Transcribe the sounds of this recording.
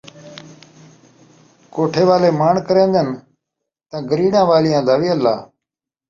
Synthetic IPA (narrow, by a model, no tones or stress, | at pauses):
koːʈʰeːʋaːleːmaːɳkəɾẽːnd̪ən | t̪ãːɡəɾiːɽãːʋaːlɪjãːd̪ʱaːʋiːəlːa̰ː